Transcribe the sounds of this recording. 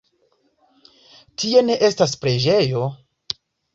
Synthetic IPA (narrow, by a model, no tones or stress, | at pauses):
tie̞ne̞ʔe̞stas̬pɾe̞d͡ʒe̞jo̞